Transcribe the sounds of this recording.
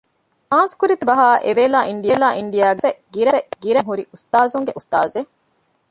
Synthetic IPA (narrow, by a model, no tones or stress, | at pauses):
ãːnskuɾit̪ubɐɦaːʔḛʋeːlaːʔiɳɖieːlaːʔiɳɖijaːɡeʋeɡiɾɐʋeɡiɾeŋɦuɾiʔust̪aːzuŋɡeʔust̪aːze